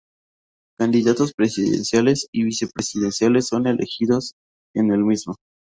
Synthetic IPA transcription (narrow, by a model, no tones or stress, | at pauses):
kand̪iðat̪o̞spɾe̞siðḛnsjale̞siβise̞pɾesiðe̞nsjale̞sːo̞ne̞lʔe̞̰xiðo̞s | e̞ne̞lmizmo